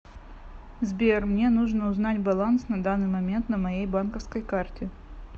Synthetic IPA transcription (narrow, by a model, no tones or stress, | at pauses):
zbʲermnʲe̞nuʐnəʊznatʲbɐlˠansnɐd̪anːɨjmɐmʲe̞nt̪nəmɐjejbankəfskəjkartʲɪ